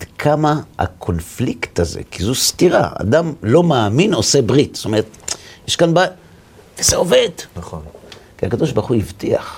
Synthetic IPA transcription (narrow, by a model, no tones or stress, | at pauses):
d̪kʰamaa̰kʰo̞nflikt̪aze̞̰kizust̪iʁa̰a̰damlo̞maːmino̞se̞bʁit̪st̪o̞meet̪jeʃkanba | vezeo̞ve̞d̪naonkiakado̞ʃbaʁχuivt̪ia̰χ